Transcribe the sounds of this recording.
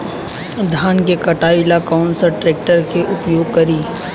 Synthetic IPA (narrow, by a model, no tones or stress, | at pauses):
d̪ʱaːnkekɐʈaːɪlakaʊnsəɾʈɾeːk̚ʈəɾkeʔʊpjoːɡ̚kɐɾiː